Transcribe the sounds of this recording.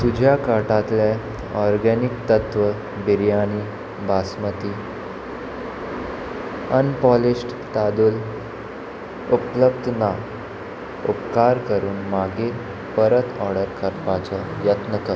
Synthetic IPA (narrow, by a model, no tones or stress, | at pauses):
t̪ud͡ʑʱjakaʈat̪le | ɔɾɡɛnik̚t̪ət̪ʋə | biɾjañi | basmət̪iː | ənpɔliɕʈ | t̪ad̪uːl | upləbd̪ʱna | upkaɾkəɾuːnmaɡe | pəɾət̪ʰɔɾɽəɾkʰəɾpat͡sɔjət̪nəkə